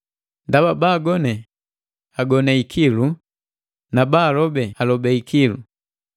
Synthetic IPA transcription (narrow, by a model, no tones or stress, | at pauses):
ndababaːɡɔnɛ | aɡɔnɛikʰilu | nabaːlɔbɛalɔbɛikilu